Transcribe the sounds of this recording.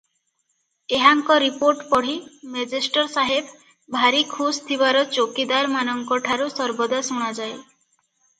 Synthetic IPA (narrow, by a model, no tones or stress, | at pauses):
eɦaŋkɔɾipoɾʈpɔɽ̤imed͡ʒesʈɔɾsaɦeb | bʱaɾikʰust̪ʰibaɾɔt͡ʃokid̪aɾmanɔŋkɔʈʰaɾusɔɾbɔd̪asuɽ̃ad͡ʒae